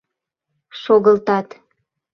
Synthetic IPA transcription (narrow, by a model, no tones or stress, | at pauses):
ʃoɣəlt̪ɑt̪